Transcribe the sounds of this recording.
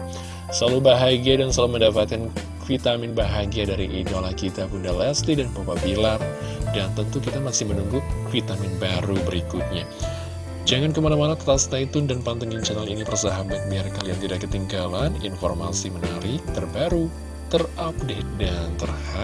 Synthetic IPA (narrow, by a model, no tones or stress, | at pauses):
səlalubaɦaɡiadansəlaluməndapat̪̚kan | fit̪amɪnbaɦaɡiadaɾiʔidolahkit̪apundalɛslidanpapabilar | dant̪ənt̪ukit̪amasɪhmənuŋɡufit̪amɪnbaɾubəɾikut̪̚ɲa | d͡ʒaŋankəmanamanat̪ət̪ast̪ait̪ʊndanpant̪əŋiŋt͡ʃənalinipərsaɦabat̪̚biarkaliant̪idakət̪iŋɡalanḭnfɔrmasimənaɾɪt̪ərbaɾu | t̪ərap̚det̪̚dant̪ərha